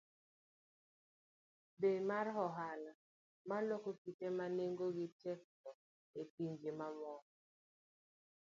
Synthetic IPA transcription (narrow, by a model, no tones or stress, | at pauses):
bemarɦɔɦala | malɔkokitemaneŋɡoɡɪtɛk̚tɔ | epiɲd͡ʒimamɔ